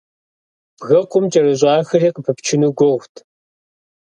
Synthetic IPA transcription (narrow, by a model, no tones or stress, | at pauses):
b̥ɣɐqʷʼʊmt͡ʃʼɐrɐʑʷɑːxɐriːqəpʰɨpt͡ʃʰɪnɨɡʷowʷtʰ